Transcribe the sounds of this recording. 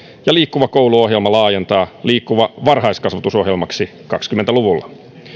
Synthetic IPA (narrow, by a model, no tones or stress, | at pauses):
jɑliːkːuʋɑko̞wluo̞ɦje̞lmɑlɑːje̞nt̪ɑːliːkːuʋɑʋɑrɦɑjskɑsʋɑt̪uso̞ɦjelmɑksi | kɑkskyment̪æluʋulːɑ